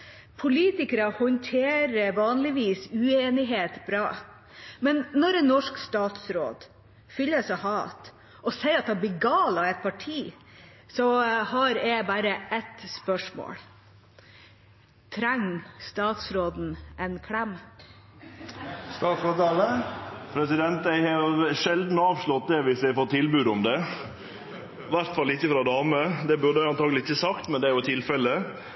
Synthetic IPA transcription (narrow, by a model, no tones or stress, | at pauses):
pʰʊliːt̪ɪkəɾɑhɔnt̪ʰeːɾəʋɑːnlɪʋiːsʉeːnɪɦeːt̪bɾɑː | mɛnːɔɾɛnːɔʂkst̪ɑːt̪sɾo̰ːd̪ | fʏlːəsɛhɑːt̪ | ɔsɛɪɑt̪̚ɑbɪɡɑːlɑɛt̪̚pʰɑʈʰiː | sɔhɑɾɛbæːɾəʔɛt̪spœʂmo̰ːɽ | t̪ʰɾæŋːst̪ɑːt̪sɾoːd̪n̩ʔɛnkʰɽɛmː | st̪ɑːt̪sɾoːd̪ɑləpʰɾɛsɪd̪ɛnt̪æɪhɑɾjʊʂɛld̪n̩ɑːʋʂɭɔt̪̚d̪ɛʋɪsj̪æɪfɔt̪ʰːɪlbʉːd̪ɔmd̪ɛ | ʋæɾt̪fɑlːɪçːəfɾɑd̪ɑːməd̪ɛbʉɾd̪əɑnt̪ʰɑːɡlɪsɪçəsɑkt̪mɛnd̪ɛæɾjʊt̪ʰɪlfɛlːə